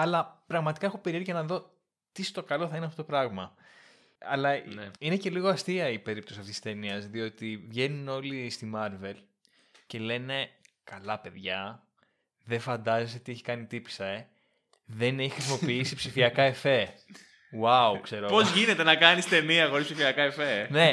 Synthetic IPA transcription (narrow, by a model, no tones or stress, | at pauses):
ɐlɐpɾɐɣmɐt̪i̥kɐe̞xo̞peɾieɾʝɐnɐðo̞ | t̪ist̪o̞kɐlo̞θɐinɐft̪ot̪opɾɐɣmɐ | ɐ̰lɐine̞ce̞liɣoɐst̪iɐipe̞ɾip̚t̪osiɐft̪isi̥st̪e̞niɐzðio̞t̪ivʝe̞nuno̞list̪imɐɾve̞l | ce̞le̞ne̞ | kɐlɐpe̞ðʝɐ | ðe̞fɐnd̪ɐzeseot̪ieçi̥kɐnit̪ipi̥sɐe̞ | ðe̞neçixɾisimo̞piisipsifiɐkɐefe̞ | waukse̞ɾopozʝine̞t̪enɐkɐnist̪e̞niɐxo̞ɾispsifiɐkɐefene̞